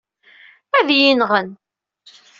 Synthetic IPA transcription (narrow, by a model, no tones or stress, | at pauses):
æðjinʁən